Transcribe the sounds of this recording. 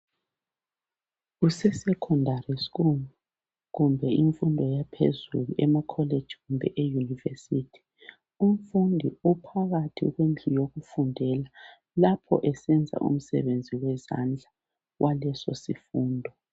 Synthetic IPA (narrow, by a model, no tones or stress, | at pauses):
ɣusɛsɛkʰɔndʱariskun | ɣumbʱɛiɱfundʱɔjapʰḛzṵluʔɛmakʰɔle̥d͡ʒ̥ʱiɣumbʱɛ̰ʔejunivesitʰi̥ | um̩fundʱiupʰaɣatʰḭɣwend͡ɮʱijoɣufundʱɛla | lapʰɔ̰ʔɛsɛnd͡zʱa̰ʔṵm̩sɛ̰βend͡zʱiwɛza̰nd͡ɮʱa | wʔalɛsɔ̰sifuːndʱɔ